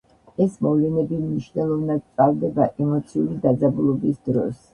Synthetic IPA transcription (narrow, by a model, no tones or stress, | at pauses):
ɛsmɔvlɛnɛbimniʃnɛlˠɔvnad̪̚t̪ʼalˠd̪ɛbaʔɛmɔt̪sʰiulid̪ad̪zabulˠɔbisd̪ɾɔs